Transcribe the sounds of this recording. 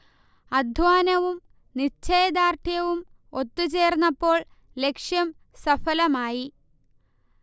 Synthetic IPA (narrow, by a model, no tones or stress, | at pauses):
ɐd̪ʱʋaːnɐʋum | nit͡ɕːeːd̪aːrt̪ʰjɐʋum | o̞t̪ːut͡ɕe̞ːrnːɐpːo̞ːɭ | le̞kʂjɐm | sɐfɐlɐmaːji